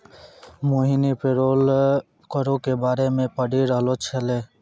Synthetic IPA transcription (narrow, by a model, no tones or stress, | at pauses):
moːɦinipeɾoːl | kəɾõkebaːɾemẽpəɽiɾəɦlot͡ʃʰeleː